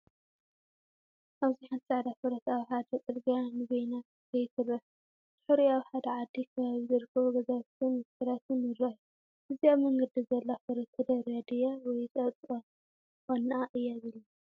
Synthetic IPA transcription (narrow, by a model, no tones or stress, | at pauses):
ʔaβziħant̪saʕd̪afɨɾɐt̪awħad̪ɐt͡s̪ʼɨlɡjanɨɡojnat̪ | kɐjt̪ʰɨrɐħ | d̪̥ɨ̥ħɾiaβħad̪ɐʕad̪ːikʰɐβaβizɨɾkʰɐβuɡɐzaβt̪ʰɨnɨkɨlat̪ɨnɨɾaħu | ʔɨziaβmɐŋɡɐd̪izɐlːafɨɾɐt̪ʰːɐd̪ɐɾad̪ɨjawɔjt̪ʼɐt̪ʼɐ | konːaʔɨjːaβilu